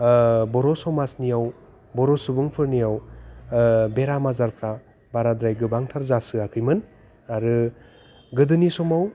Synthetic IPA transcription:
bɔɾɔsɔmasnijaw | bɔɾɔsubɯŋpʰɯɾnijaw | beɾamazaɾpʰɾa | baɾad̪ɾajɡɯbaŋtʰaɾzasɯakʰɯjmɯn | aɾɯ | ɡɯdɯnisɔmaw

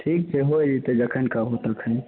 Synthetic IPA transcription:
ʈʰikt͡ʃʰɛɦojd͡ʒit̪ed͡ʒəkʰənkabɦot̪əkʰə

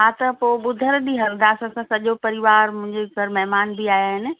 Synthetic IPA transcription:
ɦaːt̪ɐpoːɓʊd̪ʱəɾɗiɦɐɾd̪aːsɐsãsɐʄopɐɾɪʋaːɾmʊ̃ɦɪ̃ɲd͡ʑeɡʱɐɾmɛɦmaːnbiaːjaːɦɪnɪ̆

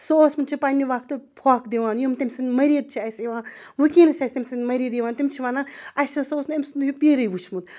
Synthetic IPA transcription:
soːsmunt͡ʃʰipanʲːiʋaːkt̪ɨpʰaːkd̪iʋaːnjomt̪ɐmʲsɐnmɐɾiːd̪̚t͡ʃʰiɐseʋaːʋɨkiːnɐt͡ʃʰɐsʲt̪ʲemʲsinʲmɐɾiːd̪jiʋaːnt̪imt͡ʃʰiʋaːnaːnɐjsesoːsnemsund̪jupiːɾɨjʋut͡ʃʰmut̪

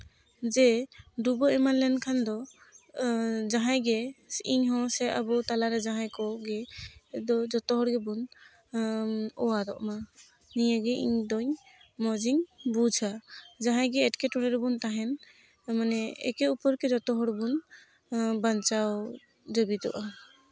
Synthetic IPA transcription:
d͡ʒɛdubɔɛmanlɛnkʰand̪ɔ | d͡ʒaɦajɡɛsʔiɲɦɔ̃sɛabɔt̪alaɾɛd͡ʒaɦajkɔɡɛd̪ɔd͡ʒɔt̪ɔɦɔɽɡɛbun | ɔwaɾɔʔma | nijaɡɛʔḭɲd̪ɔɲ | mɔd͡ʒiŋbud͡ʒʱad͡ʒaɦãjɡɛɛʈkɛʈɔɽɛɾɛbunt̪aɦɛn | manɛɛ̰kɛupɔɾkɛd͡ʒɔt̪ɔɦɔɽbun | bant͡ʃaw | d͡ʒəbit̪ɔ̰ʔa

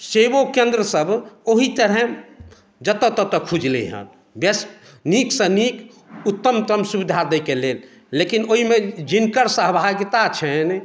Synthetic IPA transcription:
sebokẽnd̪ɾəsəbʱoɦit̪əɾɦɛ̃ | d͡ʒət̪ət̪ət̪əkʰud͡ʒlḛɦə̰n | bes | niksə̃nik | ut̪ːəmt̪əmsubid̪ʱaɾd̪əjkelelː | ekinoɦimed͡ʒinkəɾsəɦbʱaɡt̪at͡ʃʰɛn

